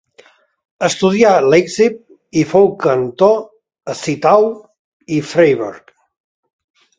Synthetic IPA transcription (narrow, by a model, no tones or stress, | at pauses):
əst̪uðialɛkzip̚ | ifowkənt̪o | əsit̪aw | ifɾejβɛ̰ɾk